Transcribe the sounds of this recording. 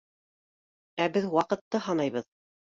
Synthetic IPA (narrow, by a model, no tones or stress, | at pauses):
æbɘðwɑqɤ̆t̪ːɤhɑnɑjβɤð